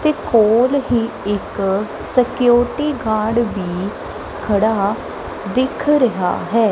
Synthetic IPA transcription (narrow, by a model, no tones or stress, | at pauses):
t̪eːkoːlɦiː | ɪk | səkɪjoːʈiːɡaːɽʋiː | kʰəɽaː | d̪ɪkʰɾəɦa̰ːɦɛː